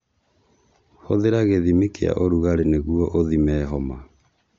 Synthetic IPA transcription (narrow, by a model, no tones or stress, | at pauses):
hoðeɾaɣeðimekea̰ʔoɾuɣaɾeneɣuɔʔoðimɛːɦɔma